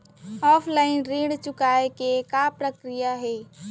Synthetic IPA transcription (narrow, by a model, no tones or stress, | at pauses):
ɔːpʰlaːɪnɾiːɽt͡ʃʊkaːekekapɾəkɾijaɦɛː